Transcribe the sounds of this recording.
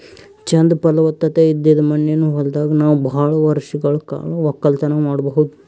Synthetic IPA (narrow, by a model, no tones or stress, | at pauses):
t͡ʃɐnd̪ɐpɐlɐʋɐt̪ːɐt̪eid̪ːid̪ɐmɐnjenːuːɦold̪aːɡɐnaːʋubʱaːɭɐʋɐɾʂɐɡɐɭuka̰ːɭuɐkːɐlt̪ɐnɐmaːɽɐbɐɦud̪u